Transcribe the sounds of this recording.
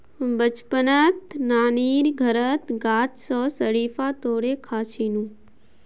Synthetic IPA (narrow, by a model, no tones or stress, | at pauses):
bət͡ʃpənət̪naːniːɾɡʱɐɾət̪ɡaːt̪sɔːsəɽiːfaːt̪oːɽeːkʰaːt͡ʃʰiːnũː